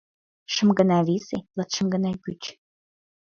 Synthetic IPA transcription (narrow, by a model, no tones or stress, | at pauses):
ʃə̆mɡə̆nɑβiselət̪ʃə̆mɡə̆nɑjkyt͡ɕ